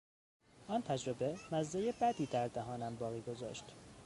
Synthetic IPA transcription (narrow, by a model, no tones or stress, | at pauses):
ʔɒːnt̪ʰæd͡ʒɾo̞be̞mæzːejebæd̪iːd̪æɾd̪æɦɒːnæmbɒːɣiːɡo̞zɒ̰ːʃt̪